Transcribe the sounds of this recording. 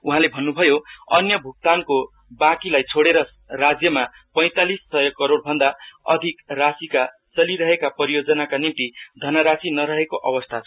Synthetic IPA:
uɦãlebʱʌnːubʱʌjoʌ̰njʌbʱuk̚t̪anko | bãkilajt͡sʰoɽeɾʌ | rad͡zjʌma | pʌj̃t̪alisːʌjʌkʌɾoɽbʱʌnd̪aʌ̰d̪ʱikrasika | t͡sʌliɾʌɦekapʌɾijod͡zʌnakanimt̪id̪ʱʌnʌɾasinʌɾʌɦekoʔʌbʌst̪ʰat͡sʰ

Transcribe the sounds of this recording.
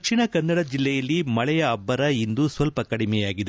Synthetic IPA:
ɐkʂiɳɐkɐnːɐɽɐd͡ʒilːɛjɐlːimɐɭɛjɐːbːɐɾɐind̪usʋɐlpɐkɐɽimɛjaːɡid̪e

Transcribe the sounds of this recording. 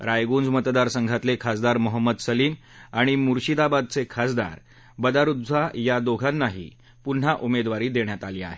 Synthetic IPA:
ɾajɡuːnd͡zmət̪d̪aɾsəŋɡʱat̪lekʰasd̪aɾməɦəmːəd̪səliːm | aɽ̃imuɾɕid̪abad̪̚t͡sekʰasd̪a̰ɾ | bəd̪aɾud̪d͡zajad̪oɡʱanːaɦḭː | pun̤aʔumed̪ʋaɾiːd̪eɳjat̪aliːa̰ɦe

